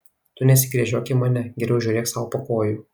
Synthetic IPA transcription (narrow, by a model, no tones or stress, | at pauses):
t̪ʊnʲɛsʲɪkɾʲiɛʒʲoːkʲɪmɐnʲɛɡʲɛɾʲɛʊʒʲuːɾʲeːksɑːʋopɐkoːjuː